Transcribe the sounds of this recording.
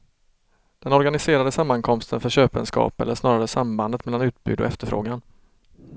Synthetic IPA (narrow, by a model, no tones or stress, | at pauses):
d̪̥ɛnɔɾɡanɪseːɾad̪əsamːankʰɔmst̪ʰənfœɕøːpə̰nskɑ̰ːpɛ̰ləʂnɑːɾaɾəsamband̪ət̪mɛlːanʉ̟ːt̪̚bʉ̰ːd̪ɔ̰ɛft̪əɾfɾo̰ːɡan